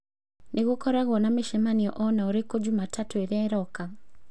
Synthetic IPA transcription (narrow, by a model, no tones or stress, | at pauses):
neɣokɔɾaɣɔnameʃemaniɔ̰ʔɔnaoɾekod͡ʒumatʰatoeɾɛɾɔka